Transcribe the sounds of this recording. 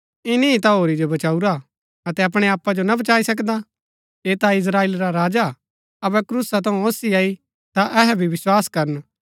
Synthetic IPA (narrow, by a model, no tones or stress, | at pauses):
ɪniĩt̪aɦoːɾid͡ʒobɐt͡ʃaːuɾa | ɐt̪ɛɐpɽ̃eaːpːad͡ʒonabɐt͡ʃaːisɐk̬d̪a | eːt̪aɪs̬ɾaːeːlɾaɾaːd͡ʒa | ɐbɛkɾuːsat̪ɐ̃ũoːsiaːi | t̪aʔɛɦɛbʱiʋɪswaːskɐɾən